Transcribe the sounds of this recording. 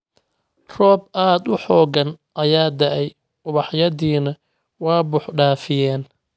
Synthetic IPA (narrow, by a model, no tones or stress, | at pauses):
rɔːbʔaːd̪ʊħɔːɡɐnʔɐjaːd̪ɐʔɛj | ʔʊβɑħjɐðiːnɐ | wɑːbʊħɖaːfɪjɛːn